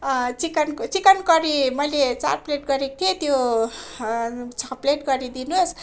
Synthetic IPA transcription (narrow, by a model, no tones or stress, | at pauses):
t͡sikant͡sikʌnkʌɾimʌjlet͡sa̰rpleʈɡʌɾek̚t̪ʰiet̪jo | t͡sʰʌpleʈɡʌɾid̪inuos